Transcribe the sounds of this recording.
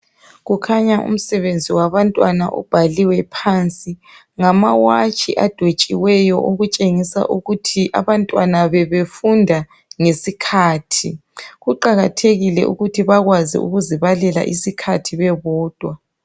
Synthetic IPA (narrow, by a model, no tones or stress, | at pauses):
ɣukʰaɲaʔṵm̩sɛβend͡zʱiwaβantʼwana̰ʔɔ̰b̥ʱaliwɛpʰant͡sʼi | ŋamawat͡ʃʼiʔad̥ʱwet͡ʃʼiwɛjɔʔoɣut͡ʃʼeŋisa̰ʔuɣutʰiʔa̰βantʼwanaβɛβefundʱa | ŋesikʰaːtʰiɣuǃaɣatʰeɣilɛ̰ʔṵɣutʰiβaɣwazḭʔṵɣuziβalɛla̰ʔisikʰatʰiβɛβɔːd̥ʱwa